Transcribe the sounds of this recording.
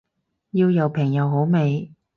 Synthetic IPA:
jiː˧wjɐ˨˧wpʰɪ˨˩ŋjɐ˨˧wɦo˨˥wme˨˧j

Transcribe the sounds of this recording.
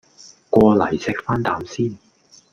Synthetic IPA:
kʷɔː˧lɐ˨˩jsɪ˨k̚faː˥nt̪aː˨˧msiː˥˩n

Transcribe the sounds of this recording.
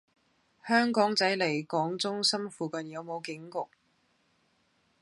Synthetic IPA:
hœː˥ŋkɔː˨˥ŋt͡sɐ˨˥jle˨˩jkɔː˨˥ŋt͡sʊ˥ŋsɐ˥mfuː˨kɐ˨njɐ˨˧wmo˨˧wkɪ˨˥ŋkʊ˨k̚

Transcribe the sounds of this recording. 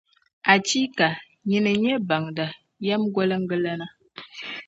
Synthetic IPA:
a˨t͡ʃi˦ka˨ | ɲi˦nɨ˨ɲɛ˦ba˨ŋda˨ | jɛ˦mɡɔ˦lɨ˦ŋ̩˦ɡɨ˦la˦na˦

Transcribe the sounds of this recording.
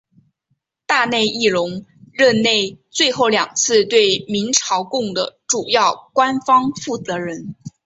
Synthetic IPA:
t̪a˥˧ne˥˧ɪi˥˩ɻʊ˧˥ŋɻə˥˧nne˥˧ɪt͡swe˥˧ɪxo˥˩ʊljɑ˨˩ŋt͡sʰɹ̩˥˧t̪we˥˩ɪmi˧˥ŋʈ͡ʂʰɑ˧˥ʊkʊ˥˩ŋd̪ə˩ʈ͡ʂu˨˩jɑ˥˩ʊkwa˥nfɑ˥ŋfu˥˩t͡sɤ˧˥ɻə˧˥n

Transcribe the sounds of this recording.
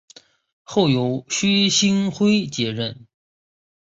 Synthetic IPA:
xo˥˩ʊjo˧˥ʊɕy˥ɕi˥ŋxwe˥ɪt͡ɕjɛ˧˥ɻə˥˩n

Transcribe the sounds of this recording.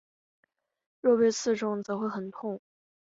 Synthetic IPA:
ɻɔ˥˩pe˥˧ɪt͡sʰɹ̩˥˧ʈ͡ʂʊ˥ŋt͡sɤ˧˥xwe˥˩ɪxə˨˩nt̪ʰʊ˥˩ŋ

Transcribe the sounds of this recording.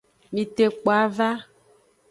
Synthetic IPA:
mĩ˨t̪e˨k͡po˨a˦va˦

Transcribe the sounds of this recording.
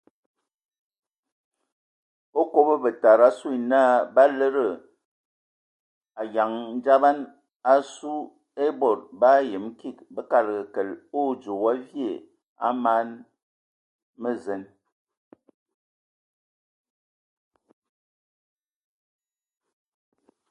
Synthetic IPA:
o˦ko˦bə˦bə˨ta˨ɾa˦su˦i˨naː˦˨ba˦lə˦ɾə˨ | a˨ja˨ŋn̩˦d͡ʒa˦ba˦n | a˦su˦ | e˦bɔ˨ɾba˦je˨m˦ki˦˨k̚bə˦ka˨lɡə˨kə˨lo˦˨d͡ʒo˨wa˦vje˦˨ | a̰˦ma˦n | mə˦zə˨˦n

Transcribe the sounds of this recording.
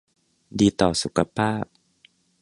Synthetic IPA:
diː˧t̪ɔː˨˩su˨˦kʰa˧pʰaː˥˩p̚

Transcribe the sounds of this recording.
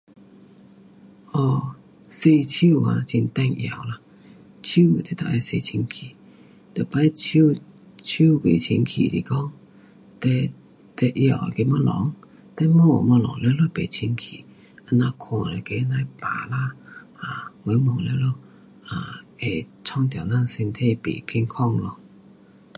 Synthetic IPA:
hɔ˧˩ | se˧t͡ɕʰu˥˧˨a̰˨˧˨t͡ɕi˧nt̪ɛ˥˧ŋʔja̰˨˩wla˧ | t͡ɕʰu˥˦˨t̪e˨˩t̪ɔ˨˩ʔa˧se˧t͡ɕʰi˧nkʰi˨˩ | t̪o˨˩pa˦jt͡ɕʰu˥˧˨ | t͡ɕʰu˥˧˨bḛ˨˩t͡ɕʰi˧nkʰḭ˨˩lḭ˨˩kɔ˦ŋ | t̪ɛ˧ | t̪e˧ʔja˧˩˨wa̰˨ke˧mã˧˦lɔ̰˨˦ŋ | t̪a˧˦mɔ˥˧˨mɔ̃˧lɔ̰˨˦ŋle˧˦lɔ˧˦˨pe˨˩t͡ɕʰi˧nkʰi˨ | a˧˦nã˧kʰɔ̃˧˨la˨˧˩ke˧˦nã˧jpa̰˨˩la˧˦a˨we˨˧˦mɔ˨le˧˦lo˧˦ | a˨˩e˨˩t͡sʰɔ˥˧ŋt̪̬a˨˩˨na˥˧˨se˧nt̪ʰe˥˧˨pḛ˨˩ki˧ŋkʰɔ˥˧ŋlɔ˧

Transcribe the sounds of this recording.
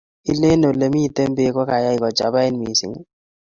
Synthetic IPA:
i˦le˦no˨le˨mi˦˨te˦mbe˦kɔ˦ka˨ja˦i˨kɔ˨t͡ʃa˨ba˦i˦nmi˨sḭ˨ŋ˦

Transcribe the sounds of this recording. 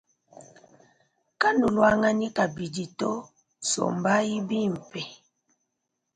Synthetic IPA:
ka˦nu˨lwa˦ŋa˦ni˦ka˨bi˨di˨tɔ˦ | sɔ̰˨mba˦ji˦bi˦m̩˨pɛ˨

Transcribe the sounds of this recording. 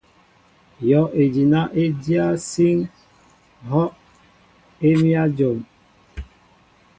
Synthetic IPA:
jɔ˨˦ʔe˨d͡ʒi˨na˦ʔe˦dja˦si˦ŋ | ɦɔ˦ʔ | e˦mi˦a˦d͡ʒo˨m

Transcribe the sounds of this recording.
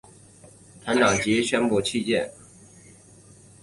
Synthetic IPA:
t̪ʰa˧˥nt̪ɑ˨˩ŋt͡ɕi˧˥ɕɥɛ˥npu˥˧t͡ɕʰi˥˧t͡ɕjɛ̰˥˨n

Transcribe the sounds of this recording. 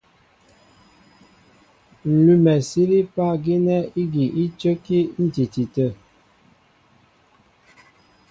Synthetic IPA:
n̩˨lu˦˨mɛ˨si˦ɾi˦pa˦ɡi˦nɛ˦i˦ɡi˨ʔi˦t͡ʃə˦ki˦n̩˦ti˨ti˨tə˦˨

